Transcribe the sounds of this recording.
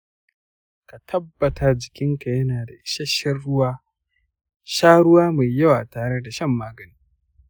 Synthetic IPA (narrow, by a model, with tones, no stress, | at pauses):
ka˨tʰɐ˦bːɐ˨tʰa˨d͡ʒɪ˨kʲɪ˦ŋka˨jɐ˦naː˨da˨ʔɪ˨ʃɐ˦ʃɐ˦rɽʊ˦waː˦ | ʃaː˦ɽʊ˦waː˦ma˨jːɐ˦waː˨taː˨ɽe˦da˨ʃɐ˦˨mːaː˦ɡɐ˨niː˦